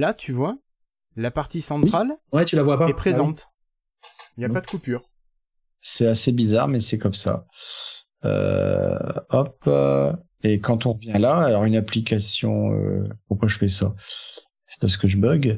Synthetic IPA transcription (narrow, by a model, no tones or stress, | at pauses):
lat̪ʰyvwa | lapaʁt̪isɑ̃t̪wiχalwɛt̪ylavwapaɛpχezɑ̃t̪ | iljapad̪əkupyːʁ | sɛasebizaʁmɛsɛkɔmsa̰ | ø̰ | ɔpø̰ | ekɑ̃t̪ɔ̃ʁəvjɛ̃laːlɔʁynaplikasjɔ̰̃ø̰puʁkwaʒəfɛsa | spas̬ə̥kəʒəbɔɡ